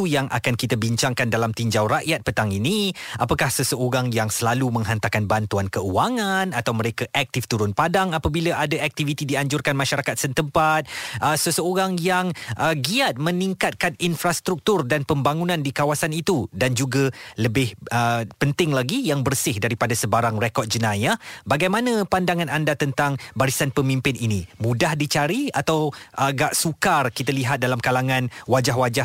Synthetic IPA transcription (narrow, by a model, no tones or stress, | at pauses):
ujaŋa̰kankit̪abiɲt͡ʃaŋkandalamt̪iɲd͡ʒawɾaʔjat̪̚pət̪aŋinĩapakahsəsəoɾaŋjaŋsəlalumə̃ŋɦant̪akanbant̪uankəuaŋanat̪awməɾekaʔak̚t̪ɪft̪uɾʊnpadaŋapabilaʔadaʔɛk̚t̪ivit̪idiaɲd͡ʒʊrkanmaʃaɾakat̪̚sənt̪əmpat̪̚ʔəsəsəoɾaŋjaŋəɡiat̪̚məniŋkat̪̚kan̚infɾast̪ɾuk̚t̪urdanpəmbaŋunãndikawasanit̪udand͡ʒuɡaləbɪhəpənt̪ɪŋlaɡijaŋbərsɪhdaɾipadasəbaɾaŋrekɔt̪̚d͡ʒənãjabaɡajmãnãpandaŋanandat̪ənt̪aŋbaɾisanpəmĩmpɪninimũdahdit͡ʃaɾiat̪awʔaɡaʔsukarkit̪aliɦat̪̚dalamkalaŋãnwad͡ʒaɦwad͡ʒa